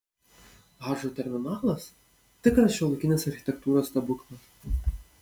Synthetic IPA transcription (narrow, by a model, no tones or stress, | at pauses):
ɦɑʒut̪ʲɛɾmʲɪnɑːlˠɐs | t̪ɪkɐst͡ʃʲɛlˠʊkʲinʲesɐrxʲɪ̥t̪ʲɛk̚t̪uːɾɐst̪ɐbʊknɐ